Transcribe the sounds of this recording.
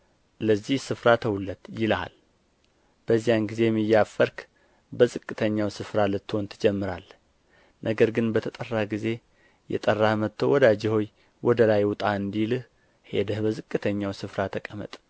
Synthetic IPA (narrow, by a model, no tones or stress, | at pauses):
ləzːihsɨfɾat̪ʰəwulːət̪jɪla̰l | b̥əzːijanɡize̞jɛmːɨjːafəɾk | bəzʼɨkʼːɨt̪ʰəɲːawsɨfɾalɨt̪ʰːont̪ʰɨd͡ʒɛmːɨɾal | nʔəɡəɾɡɨnbət̪ʰət̪ʼərːahɡize̞ | jɛ̰t̪ʼərːahmət̪ʰːowɔd̪ad͡ʒɪho̞j | wɔd̪əlajwʊt̪ʼaɨnd̪ilɨh | he̞̰d̪əhbəzɨkʼːɨt̪ʰəɲːawsɨfɾat̪ʰəkʼəmə̰t̪ʼ